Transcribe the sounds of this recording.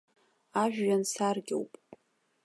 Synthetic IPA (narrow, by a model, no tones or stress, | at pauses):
aʒᶣːansarɡʲḛwpʼ